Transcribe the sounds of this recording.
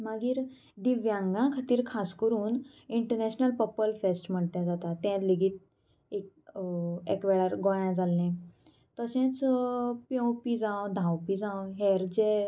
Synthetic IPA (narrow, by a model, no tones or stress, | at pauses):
maɡiːɾ | d̪iʋjãŋɡãkʰat̪iːɾkʰaskəɾuːn | iɳʈəɾnɛɕnəlpəpəlfesʈm̤əɳʈ̪jãd͡zat̪at̪ɛ̃t̪liɡiːt̪̚ | ek̚ | ekʋɛɭaɾɡɔ̃jãd͡zalːẽ | t̪əsɛ̃t͡spjɔ̃wpid͡zãwd̪ʱãwpid͡zãwɦɛɾd͡ze